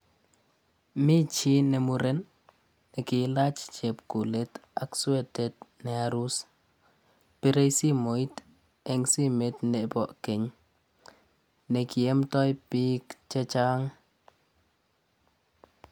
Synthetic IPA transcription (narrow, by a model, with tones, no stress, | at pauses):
mi˦t͡ʃi˦nɛ˨mu˨ɾe˦nː | ɛ˨kɪ˨˦la˦t͡ʃt͡ʃe˨pku˨le˦ta˨ksu˦e˦te˨tnɛ˨a˨ɾu˦s | pe˦ɾe˦jsi˦mo˨i˦t | ɛ˨ŋsi˦me˦tnɛ˨bɔ˨ʔke˨ɲ | nɛ˨ki˨e˦mtɔ˦jpikt͡ʃɛ˦t͡ʃa˦ŋ